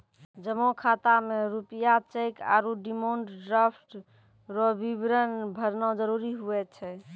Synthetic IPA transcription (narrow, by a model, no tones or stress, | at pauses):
d͡ʒəmokʰat̪ameɾupijat͡ʃeɪka̰ɾuɖimoɳʈɖɾapʰʈ | ɾɔbibɾənbʱəɾnɔd͡ʒəɾuɾiɦuɛt͡ʃʰɛ